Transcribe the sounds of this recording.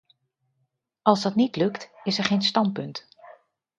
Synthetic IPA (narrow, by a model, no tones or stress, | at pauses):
ɑlˠzdɑtnitlɵktɪsɛɹχejnstɑnt̚pɵnt